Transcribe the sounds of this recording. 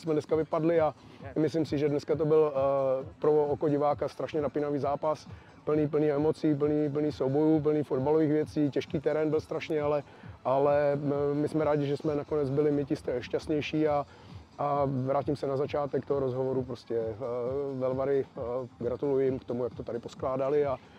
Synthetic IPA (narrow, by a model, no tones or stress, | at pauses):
smɛdnɛskavɪpadlɪamɪslɪmsɪʒɛdnɛskat̪̬obɪl | pɾookoɟɪvaːkast̪ɾaʃɲɛnapɪnaviːzaːpas | pl̩niːp̬l̩niːɛmot͡siːp̬l̩niːp̬l̩niːxsowbo̞juːp̬l̩niːfod̪baloviːxvjɛt͡siːcɛʃkiːt̪ɛɾɛːnbɪlst̪ɾaʃɲɛalɛ | ʔalɛmɪsmɛɾaːɟɪʒɛsmɛnakonɛd͡zbɪlɪmɪcɪst̪ɛʃcast̪ɲɛjʃiːa | ʔavɾaːcɪmsɛnazat͡ʃaːt̪ɛkt̪oɦoɾozɦovoɾupɾoscɛ | vɛlvaɾɪɡɾat̪ulujɪmkt̪omujak̚t̪ot̪adɪposklaːdalɪa